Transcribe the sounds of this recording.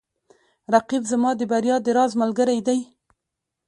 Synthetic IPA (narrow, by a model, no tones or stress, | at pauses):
ɾaqibzamɑd̪əbaɾjɑd̪əɾɑzmalɡəɾajd̪aj